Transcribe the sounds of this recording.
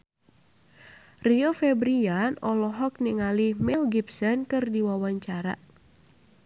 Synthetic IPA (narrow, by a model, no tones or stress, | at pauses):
riɔfɛbɾianɔlɔɦɔk̚nɛŋalihmɛlɡipsɔnkɨrdiwawaɲt͡ʃaɾa̰